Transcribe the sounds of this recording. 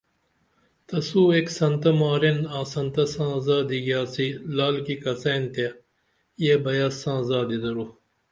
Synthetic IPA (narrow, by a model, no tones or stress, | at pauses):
t̪ɐsuːeksɐnt̪ɐmaːɾenaːsɐnt̪ɐsãːzaːd̪iɡjaːsilaːlkikɐsɐjnt̪e | jebɐjasãːzaːd̪id̪ɐɾu